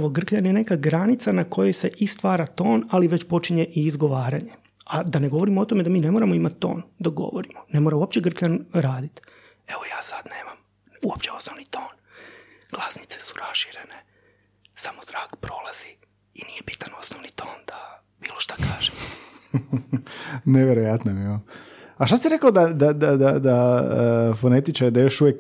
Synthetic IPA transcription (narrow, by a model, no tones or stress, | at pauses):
ʋo̞ɡr̩kʎanjene̞kaɡɾanit̪sanako̞jese̞ʔist̪ʋaːɾat̪o̞ːnaliʋe̞t͡ɕpo̞t͡ʃiɲe̞ʔiːzɡo̞ʋaːɾaɲe̞ | ad̪ane̞ɡo̞ʋo̞ɾimoo̞t̪o̞me̞d̪amiːne̞moɾamoimat̪ːo̞̰ːnd̪aɡo̰ʋoɾimone̞moɾauopt͡ɕeɡr̩kʎanɾaːd̪it̪ | e̞ʋojaːsad̪neːmam | uopt͡ɕeo̞snoʋnit̪o̞ːn | ɡ̥lˠasni̥t̪sesu̥ɾasʃiɾe̞ne | samozɾaːkpɾo̞lˠaz̥i | inijebit̪ano̞snoʋnit̪ʰo̞ːnd̪̥a | b̥iːlˠoʃt̪ḁkaːʒ̥em | neʋeɾojat̪nomioaʃt̪asiɾekaod̪ad̪ad̪ad̪ad̪a | fonet̪it͡ʃaɾid̪ajo̞ʃuʋjek